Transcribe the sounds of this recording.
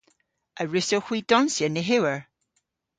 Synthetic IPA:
əɹɪsowxwiːd̥ɔnsjənɪɦɪwəɹ

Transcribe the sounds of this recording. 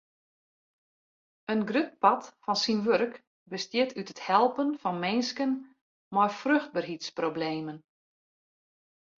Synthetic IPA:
ənɡrøt̚pɑtfɔnsinʋørk | bəstjɪtʰytəthɛlˠpənfɔnmɪnskən | mɔjfrøxt̚bərɦitsprobleːmən

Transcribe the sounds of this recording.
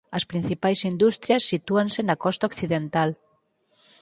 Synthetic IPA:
ɐspɾin̟θipajsind̪ust̪ɾjasːit̪uansenakɔst̪aokθiðent̪al

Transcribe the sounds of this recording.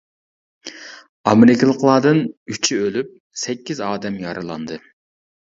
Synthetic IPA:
ɑmɪɾɪkʲlˠəqlˠɑd̪ɨnyt͡ʃʰiølyp̚ | sɛkʲːizɑːd̪ɛmjɑɾʔɨlˠɑ̰nd̪ɨ

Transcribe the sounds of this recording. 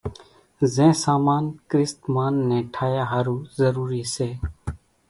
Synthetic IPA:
zẽːsaːmaːnkɾɪst̪maːnːẽːʈʰaːjaːɦaːɾuːzəɾuːɾiːseː

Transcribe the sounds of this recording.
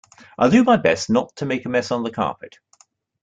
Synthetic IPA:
ʔaɪlˠdəmaɪbɛ̰snətʰəmeɪkəmɛsn̩ðəkʰɑ̰ˑpɪt

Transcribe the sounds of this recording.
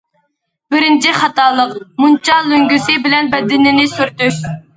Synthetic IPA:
bɪɾɪnt͡ʃʰiχɑt̪ɑːlˠəqmunt͡ʃʰɑløŋɡʲysɪbɪlɛnbɛd̪ːɪnɪnɪsyɾt̪yʃ

